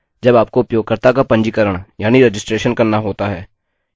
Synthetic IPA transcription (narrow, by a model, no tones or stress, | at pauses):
d͡ʒɐbaːp̚koʊpjoːɡ̚kəɾt̪akapɐ̃ɲd͡ʒikɐɾəɽ̃jaːniɾed͡ʒɪsʈɾeːʃənkɐɾnaɦoːt̪aɦɛː